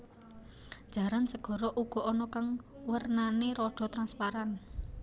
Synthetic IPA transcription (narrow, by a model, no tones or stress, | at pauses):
d̥ʒ̥ä̤ɾansəɡ̥ɔ̤ɾɔʔuɡ̥ɔ̤ɔnɔkaŋwərnaneɾɔɖ̥ɔ̤t̪ɾanspaɾan